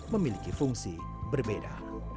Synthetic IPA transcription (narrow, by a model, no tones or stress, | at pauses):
məmilikifuŋsi | bərbeda̰